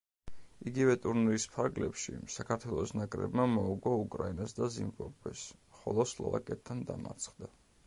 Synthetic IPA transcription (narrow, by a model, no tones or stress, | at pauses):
iɡivɛt̪ʼuɾnɾispʰaɾɡlɛpʃḭsakʰaɾt̪ʰwɛlˠɔsnakʼɾɛ̰bmamɔuɡɔukʼɾainasd̪azimvabɛsχɔlˠɔslˠɔ̰vakʼɛt̪t̪ʰːand̪a̰ma̰ɾt̪sʰχd̪a